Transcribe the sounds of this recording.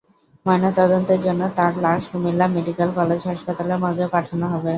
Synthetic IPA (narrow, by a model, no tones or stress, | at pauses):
manot̪ɔd̪ont̪eɾd͡ʑonːot̪aɾlaɾʃumilːameɖikelkɔled͡ʑɦaʃpat̪aleɾmɔɡepaʈʰanoɦɔbe